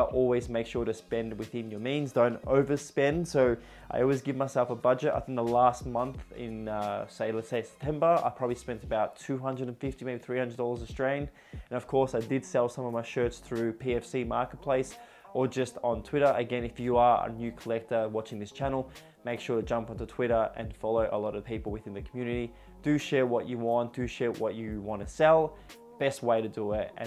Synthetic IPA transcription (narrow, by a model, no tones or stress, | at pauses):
ʔɔlˠwizmeɪkʃʊɹɾɨspɛ̃nd̚wɨθɪ̃njə˞mĩnzdõʊ̃ntoʊvə˞spɛ̃nd̥soʊ | ʔa̰ɪɔlˠwizɡɪvmaɪsɛlˠfəbʌd͡ʒɨta̰ɪθɪ̃ŋk̚ðəlæst̚mʌ̃nθɪ̰̃nʌseɪlɛtseɪsɛ̥p̚tʰɛ̃mbə˞a̰ɪpʰɹ̥ɑbəblispɛ̃ntəbaʊtʰʉɦʌ̃ndɹɨɾn̩fɪftimeɪbiθɹihʌ̃ndə˞dɔlˠə˞zə̥stɹ̥ẽɪ̃n | ɨ̃nʌv̥kʰɔɹsaɪdɨd̥sɛlˠsʌ̃mʌvmaɪʃɜ˞tsθɹʉpʰiɛfsimɑɹkət̚pʰl̥eɪs | ʔə˞d͡ʒʌstn̩tʰw̥ɪɾə˞ʔɨɡɛ̃nɨfjɨə˞ə̰njʉkʰəlɛk̚tə˞wɑt͡ʃɪ̃ŋðɪst͡ʃʰænl̩ˠ | meɪkʃʊɹɾɨd͡ʒʌ̃mpʌ̃n̩tɨtʰw̥ɪɾə˞ʔɨ̰̃nfɑlˠoʊʔə̰lɔɾʌv̥pipl̩ˠwɨθɪ̃nðɨkʰmjʉnɨɾi | d̥ɨʃɛɹwʌt͡ʃɨwɑ̃nd̥ɨʃɛɹwʌ̰t͡ʃɨwɑ̃ntʰɨsɛlˠ | b̥ɛst̚weɪɾɨdəɪtɨ̰̃